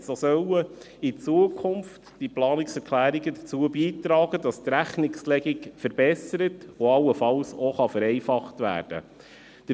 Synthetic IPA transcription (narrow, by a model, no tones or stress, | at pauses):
sosœwə | it͡suəkʰʊmftd̥iplɑːnɪksɛɾkʰlæːɾiɡədət͡suəbiːtɾɑːɡ̥ədɑstɾæχnɪkslɛɡɪɡfəɾb̥ɛsəɾətʊɑlːəfɑlsɔχɑfəɾɛɪfɑχtʋæ̰ːɾd̥ə̰ | d̥ə